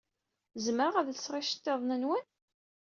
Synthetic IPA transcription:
zəməɾaʁæðsʁɪʃə̥t̪ːeðˤnənwən

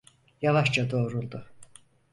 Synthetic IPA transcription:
javaʃt͡ʃad̪o̞ːɾulˠd̪u

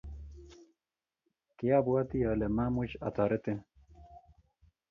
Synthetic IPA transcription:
kejabuat̪ijaːlemamut͡ɕat̪aːɾet̪e

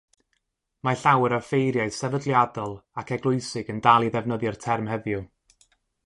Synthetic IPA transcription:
maɬawəɾafejɾjaɨsɛvədlˠjadɔlˠakʰɛɡlˠʊɨsɪɡəndalˠiðɛvnəðjɔrtʰɛrmhɛvjʊ

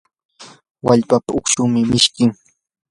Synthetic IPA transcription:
waʎpapaokʃʊmɪmɪʃkɪŋ

